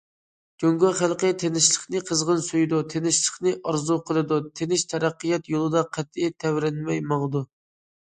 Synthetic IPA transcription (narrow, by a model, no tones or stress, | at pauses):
ɡ̥ʲøŋɡɑχælˠqət̪ʰenɪʃlˠəχnɨqʰəzʁənsujd̪ut̪ʰenɪʃlˠəχnɨʔɑɾzuqʰəlˠɨd̪ut̪ʰenɪʃt̪ʰɛɾæqːɨjɛt̪jolˠɨd̪ɑqʰɛt̪ːit̪ʰɛwɾɛnmɛjmɑŋd̪u